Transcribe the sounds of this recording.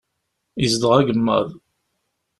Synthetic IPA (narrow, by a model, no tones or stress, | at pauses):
izd̪əʁæɡəmːæ̰ð